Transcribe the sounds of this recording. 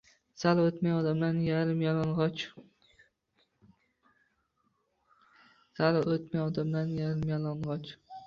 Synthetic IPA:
salot̪majɒd̪amlanjaɾɪmjalˠɒnʁɒt͡ʃ | salot̪majɒd̪amlanjaɾɪmjalˠɒnʁɒt͡ʃ

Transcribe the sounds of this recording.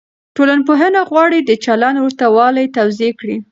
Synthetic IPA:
ʈolanp̬oɦanaɣwɑɽid̪ət͡ʃalanwəɾt̪awɑlajt̪awzekɽi

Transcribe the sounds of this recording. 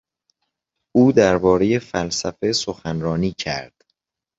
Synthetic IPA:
ʔuːd̪æɾbɒːɾe̞je̞fælsæfe̞soxænɾɒːniːcʰæ̰ɾd̪̥

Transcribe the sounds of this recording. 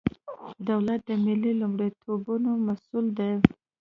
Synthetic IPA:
d̪awlat̪̚d̪əmɪlilumɽet̪ʰobunomasuld̪aj

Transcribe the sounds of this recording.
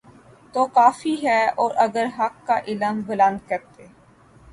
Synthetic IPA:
t̪oːkaːfiɦɛːɔːɾʔɐɡəɾɦɐkːaʔɪləmbʊlə̃nd̪̚kɐɾt̪eː

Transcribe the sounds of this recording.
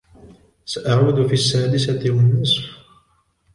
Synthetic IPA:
saʔaʕud̪ʊfiːasːaːd̪ɪsat̪ɪwanːʊsˤf

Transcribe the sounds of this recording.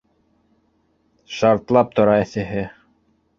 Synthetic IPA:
ʃɑɾt̪lˠɑp̚t̪ŏɾɑɘ̆θɘ̆ɦɘ

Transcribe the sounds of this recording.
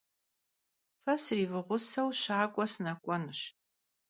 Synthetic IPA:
fɐsɨriːvɨʁʷʊsɐwɕaːkʷʼɔsɨnɐkʷʼɔnɨɕ

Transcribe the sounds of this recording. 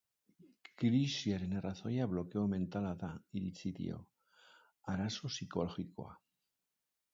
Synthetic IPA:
kɾiʃjaɾenaraθojaβlokeomẽ̞nt̪alaðaiɾit͡siðḭo̰ | aɾasosikoloxikoa̰

